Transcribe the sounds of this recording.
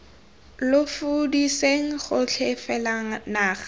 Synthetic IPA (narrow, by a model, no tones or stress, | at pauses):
lʊfudiseŋ̩χʊt͡ɬʰɛfɛlaŋ̩naːχ